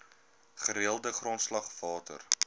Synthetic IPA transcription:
χəɾiəlˠdəχrontslɐχv̥ɑːtə̰r

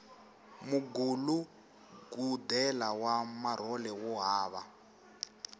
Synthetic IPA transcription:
muɡulu | ɡudɛlawamar̤ɔlɛwɔɦaːβa

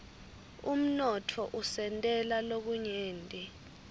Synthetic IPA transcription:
um̩nɔtʰɔʔusɛntʼɛlalok̬uɲeːntʼɛ

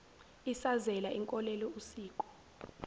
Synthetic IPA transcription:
isazɛlaiŋkʼɔlɛlɔusiːkʼɔ̥

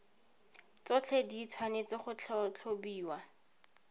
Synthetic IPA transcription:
t͡sɔt͡ɬʰedit͡sʰwanet͡sɪχʊt͡ɬʰt͡ɬʰobiːwa

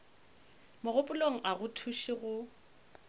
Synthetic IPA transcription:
mʊɣʊpʼʊloŋ̩ʔaɣʊtʰuʃiɣʊ

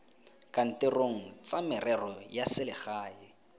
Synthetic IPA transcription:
kʼan̩tɪroŋ̩t͡samɪrɛrɔjasɪlɪχaːɪ

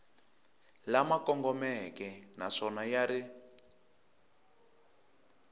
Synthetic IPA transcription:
lamakɔŋɡɔmɛkɛnaʂɔnajaɾi

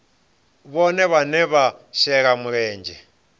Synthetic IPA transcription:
βɔnɛβanɛβaʃɛɺamuɺɛːnd͡ʒʱɛ

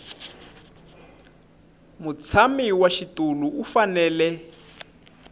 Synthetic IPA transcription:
mut͡sʰamiwaʃituluufanɛːlɛ

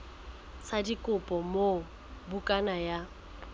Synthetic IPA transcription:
sadikʼʊpʼɔmo | bukʼanaja

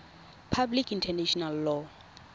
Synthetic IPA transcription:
pʰablikʰintʰɛnɛʃɔnalːɔ

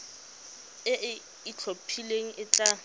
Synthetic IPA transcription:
ɪʔɪ | it͡ɬʰopʰileŋ̩ʔɪt͡ɬʼa

